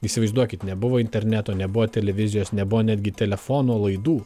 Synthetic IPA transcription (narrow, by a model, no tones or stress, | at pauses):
isʲɪʋɐɪzd̪uɔkʲɪt̪nʲɛbʊʋoːɪnʲt̪ʲɛɾʲnʲæt̪oːnʲɛbʊʋoːt̪ʲɛlʲɛʋʲɪzʲɪjoːsnʲɛbʊʋoːnʲæd̪ʲɡʲɪt̪ʲɛlʲɛfoːnoːlˠɐɪd̪uː